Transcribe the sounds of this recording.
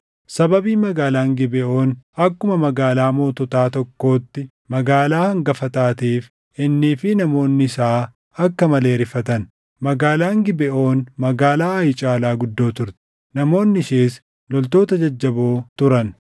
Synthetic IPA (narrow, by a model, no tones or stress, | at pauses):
sɐbɐbiːmɐɡaːlaːŋɡɪbɪʔo̞ːnɐkːʊmɐmɐɡaːlaːmo̞ːt̪ɔt̪aːt̪ɔkːo̞ːt̪ːɪ | mɐɡaːlaːhɐŋɡɐfɐt̪aːt̪iːf | ʔɪnːiːfɪnɐmo̞ːnːɪɪsaː | ɐkːɐmɐle̞ːɾɪfɐt̪ɐn | mɐɡaːlaːŋɡɪbɪʔo̞ːnmɐɡaːlaːɐjt͡ʃʼaːlaːɡʊd̪ːo̞ːt̪ʊɾt̪ɛ̥ | nɐmo̞ːnːɪɪʃeːs | lɔlt̪oːt̪ɐd͡ʒɐd͡ʒːɐbo̞ːt̪ʊɾɐn